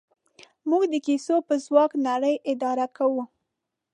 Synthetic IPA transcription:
muɡd̪əkisopəzwɑknaɽəjʔɪd̪ɑɾakʰawu

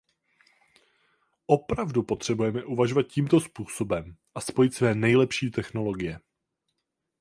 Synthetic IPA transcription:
ʔo̞pɾavdupo̞t̪r̝̥ɛbujɛmɛʔuvaʒovat̪̚ciːmt̪o̞spuːso̞bɛmʔaspo̞jɪt̪svɛːnɛjlɛpʃiːt̪ɛxno̞lo̞ɡɪjɛ

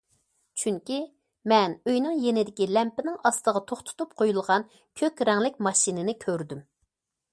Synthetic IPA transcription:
t͡ʃʰyŋkʲi | mɛnøjnɪŋjenɪd̪ɪkʲilɛmpɪnɪŋɑst̪əʁɑt̪ʰoχt̪ʰu̥t̪up̚qʰojulˠʁɑn | kʲʰøkʲɾɛŋlɪkʲmɑʃinɪnɪkʲʰøɾd̪ym

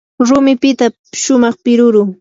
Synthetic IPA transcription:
ɾʊmɪpɪt̪a | ʃʊmɑχpɪɾʊɾʊŋ

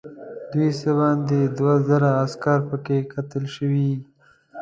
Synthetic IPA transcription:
d̪wisəbɑnd̪ed̪wazaɾaːskaɾpəkekʰat̪əlʃəwi

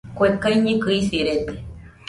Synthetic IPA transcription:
kʷekajɲĩkɨisiɾet̪e̥

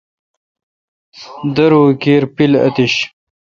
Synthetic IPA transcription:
d̪ɐɾuːkeːɾpilɐ̰t̪iɕ

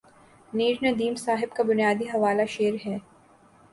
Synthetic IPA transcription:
niːɾnɐd̪iːmsaːɦɪbkabʊnijaːd̪iɦɐʋaːlaʃeːɾɦɛː

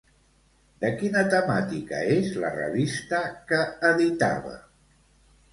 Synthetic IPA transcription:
d̪əkinət̪əmat̪ikə̰ezlə̰rə̰βist̪əkəːðit̪a̰βə̰

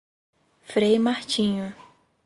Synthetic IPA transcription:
fɾejmaht͡ʃĩɲʊ

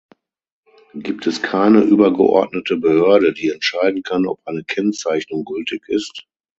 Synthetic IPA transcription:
ɡ̥iːp̚tʰɛskʰaɪnəʔyːbɐɡə̰ʔɔ̰ɐtnətəbəhøɐdədiːɛntʃaɪdn̩kʰanɔ̰pʔaɪnəkʰɛnt͡saɪçnʊŋɡʏltɪçɪst

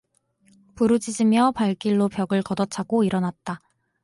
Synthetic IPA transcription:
puɾud͡ʑid͡ʑimjʌpaɭk͈iɭːopjʌɡɯɭkʌdʌt͡ɕʰaɡoiɾʌnat̚t͈a

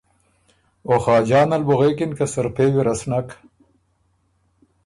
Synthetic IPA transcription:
oxaːd͡ʑaːnɐlbuɣeːkinkasɐɾpeːwiɾɐsnak

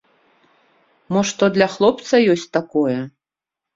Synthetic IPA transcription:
mɔʂt̪ɔd̪lʲɐxlˠɔpt̪sɐjɔsʲt͡sʲt̪akɔjɛ

